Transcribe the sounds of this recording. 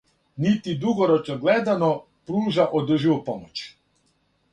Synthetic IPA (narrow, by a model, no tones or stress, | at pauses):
nit̪id̪uɡoɾot͡ʃnoɡlɛd̪ano | pɾuːʒaʔod̪əʒiʋupomot͡ʃ